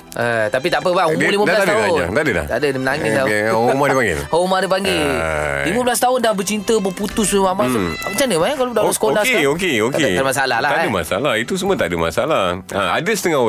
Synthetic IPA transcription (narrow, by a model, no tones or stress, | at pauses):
ət̪ap̬it̪apəbaumlimadlad̪aaʊa̰t̪adəla̰ht̪a̰dədəmənaŋilamadepaŋɡḛhomadepaŋɡeliməblast̪aɦʊndahbət͡ʃint̪əbəput̪ʊsəmamaaət͡ʃanəbakalodaʔasə̥konaeokeokaeamasalalaadəma̰sa̰lahit̪us̬əmət̪adəma̰salah | a̰a̰dəsət̪əŋa